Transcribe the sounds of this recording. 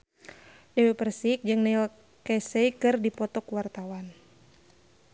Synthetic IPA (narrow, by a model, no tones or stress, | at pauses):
dɛwepərsik̚d͡ʒɨŋnɛil | kɛsɛikɨrdipɔt̪ɔkwart̪awan